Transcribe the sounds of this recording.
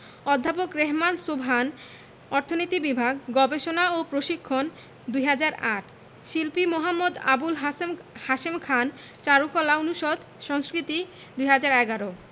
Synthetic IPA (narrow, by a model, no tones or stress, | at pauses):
ɔd̪ʱːapokɾeɦmansobʱan | ɔɾt̪ʰonit̪ibibʱaɡɡɔbeʃonaopɾoʃikʰːon | d̪ujɦad͡ʑaɾaʈ | ʃilpimoɦamːod̪a̰bulɦmhaʃemkʰan | t͡ɕaɾukɔlaonuʃod̪ʱ | ʃɔŋskɾit̪i | d̪ujɦad͡ʑaɾɛɡaɾo